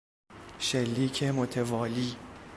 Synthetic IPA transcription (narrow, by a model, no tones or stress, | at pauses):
ʃelːiːcʰemot̪ʰevɒːliː